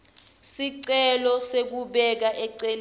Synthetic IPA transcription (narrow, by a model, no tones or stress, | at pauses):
siǀɛlɔsek̬uɓɛk̬aʔɛǀel